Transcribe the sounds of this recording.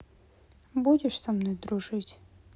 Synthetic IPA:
budʲɪʂsɐmnojd̪ɾʊʐɨtʲ

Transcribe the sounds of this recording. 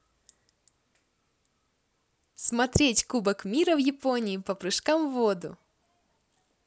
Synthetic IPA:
smɐt̪ɾʲetʲkubəkmʲiɾəvjɪponʲɪːpɐpɾɨʂkamvod̪ʊ̰

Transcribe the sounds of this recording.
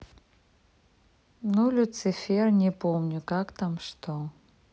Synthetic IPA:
nulʲʊt̪sɨfʲernʲɛpomnʲʊkakt̪amʂt̪o

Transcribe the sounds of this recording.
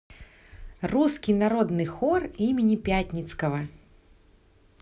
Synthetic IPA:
ruskʲinaɾɔd̪nɨxɔrimʲɪnʲipʲat̪ʲnʲit̪skɐvɐ

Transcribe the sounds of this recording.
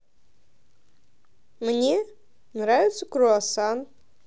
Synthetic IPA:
mnʲe | nɾavʲɪt̪səkɾuasɑn

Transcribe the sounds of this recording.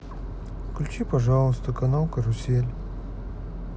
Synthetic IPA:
klʲʉt͡ɕipɐʐɑlˠəst̪əkɐnaw̪ˠkəɾʊsʲelʲ

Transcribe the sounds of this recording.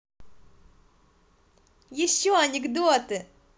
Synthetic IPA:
jɪɕːoɐnʲɪɡd̪ot̪ɨ

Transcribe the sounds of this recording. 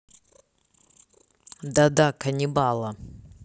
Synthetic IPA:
d̪ad̪akɐnʲibalˠɐ

